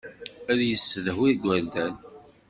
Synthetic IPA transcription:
æðjəsːəðɦwiɡʷːæɾd̪æn

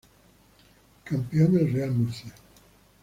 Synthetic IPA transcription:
kampionelrealnusje

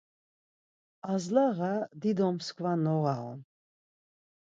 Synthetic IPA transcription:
azlaʁad̪id̪ɔmskʰvanɔʁaɔ̰n

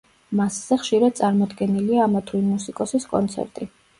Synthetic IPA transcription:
masz̥ɛχʃiɾad̪̚sʼaɾmɔd̪ɡɛniliaːmat̪ʰɾinmusikʼɔsiskʼɔ̰nt̪sʰɛ̰ɾt̪ʼi

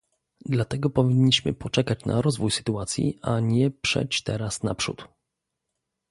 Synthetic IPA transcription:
d̪lat̪ɛɡɔpɔvʲiɲːiɕmɘ̰pɔt͡ʂɛkat͡ɕnʔa̰ɾɔzvujsɘ̥t̪uat̪sʲjḭʔaɲɛpʂɛ̰t͡ɕt̪ɛɾasna̰pʂṵt̪

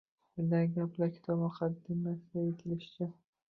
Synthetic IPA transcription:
bɪnd̪anɡʲaplaɾkʲʰɪ̥t̪ʰɒbmʊqʰɑd̪ɪmːasɪɡ̪ʲajet̪ʲʰɪlɪʃt͡ʃɪ

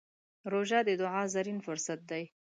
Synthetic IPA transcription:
ɾoʒɑd̪əd̪ʊʕɑzaɾinfʊɾsat̪̚d̪aj

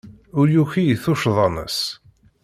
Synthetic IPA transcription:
ʊɾjuçijθʊʃðˤɑnə̰s

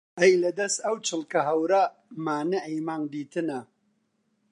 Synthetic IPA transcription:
ʔɐjlɐd̪ɐst̪ɐwt͡ʃɨlˠkɐɦɐwɾa | maːnɐʔɐjmaːŋd̪iːt̪ɨnɐ

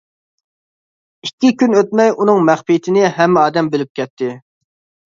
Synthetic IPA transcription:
ikʲːikʲynøt̪̚mɛjunɨŋmæχpijt̪ʰɪnɪɦɛmːɪɑːd̪ɛmbɪlɪp̚kʲɛt̪ʰːɪ

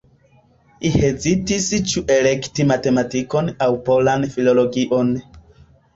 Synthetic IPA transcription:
ihe̞zitist͡ʃuʔe̞le̞ktimate̞matiko̞nawpo̞lanfilo̞lo̞ɡiʔo̞n

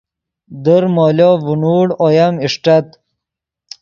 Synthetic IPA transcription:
d̪əɾmoːlovunuːɽojɐmiʂʈat̪

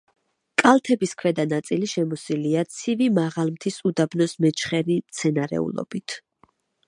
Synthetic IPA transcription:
kʼalˠt̪ʰɛbiskʰwɛd̪anat̪sʼiliʃɛmɔsiliat̪sʰivimaʁalˠmt̪ʰisud̪abnɔsmɛt͡ʃʰχɛɾimt̪sʰɛnaɾɛ̰ṵlˠɔ̰b̥it̪ʰ

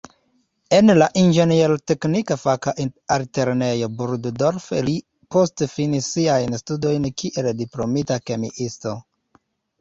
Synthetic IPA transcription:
e̞nlaʔind͡ʒenielte̞knikafakaʔialte̞ɾne̞jo̞buɾddoɾfli | po̞stefinisːiajnstudo̞jnkʰiʔe̞ldiplo̞mitake̞mḭʔisto̞

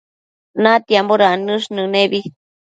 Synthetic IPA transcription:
nãt̪iamboɾanɨʂnɨ̃neβi

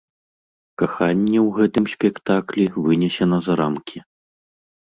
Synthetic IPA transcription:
kaxanʲːɛwɣɛt̪ɨmsʲpʲɛkt̪aklʲivɨnʲɛsʲɛnɐzaɾamkʲi

